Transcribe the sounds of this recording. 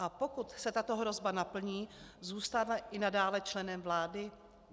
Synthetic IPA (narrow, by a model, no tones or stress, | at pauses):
ʔapo̞kut̪sɛt̪at̪oɦɾo̞zbanapl̩ɲiːzuːst̪avaʔɪnadaːlɛt͡ʃlɛnɛmvlaːdɪ